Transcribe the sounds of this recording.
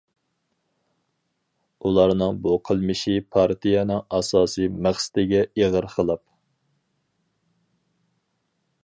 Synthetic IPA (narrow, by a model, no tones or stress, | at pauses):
ulˠɑɾnɨŋbuqʰəlˠmɨʃipʰɑɾt̪ʰijɛnɨŋɑsɑːsɨmæχsɪ̥t̪ɪɡʲɛeʁəɾqʰəlˠɑp̚